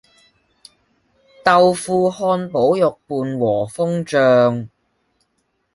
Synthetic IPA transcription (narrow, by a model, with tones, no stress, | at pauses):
t̪ɐ˨wfuː˧hɔː˧npo˨˥wjʊ˨k̚puː˨nwɔː˨˩fʊ˥ŋt͡ʃœː˨˧ŋ